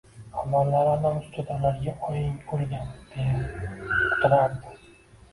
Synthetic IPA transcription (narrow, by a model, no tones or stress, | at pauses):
amːɒlːaɾanamʊst̪ʰʊd̪alaɾɡʲaʔɒjɪnbʰolɡʲand̪̥eja | ʊ̥t̪ʰʊɾaɾd̪ɪ